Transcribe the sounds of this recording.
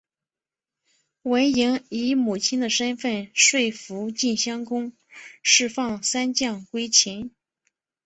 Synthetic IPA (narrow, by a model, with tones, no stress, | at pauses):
we˧˥ɪi˧˥ŋi˧˥mu˨˩t͡ɕʰi˥nd̪ə˨ʂə˥nfə˥˧nʂwe˥˩ɪfu˧˥t͡ɕi˥˩nɕjɑ˥ŋkʊ˥ŋ | ʂɻ̩˥˧fɑ˥˩ŋsa˥nt͡ɕjɑ˥˩ŋkwe˥ɪt͡ɕʰi˧˥ŋ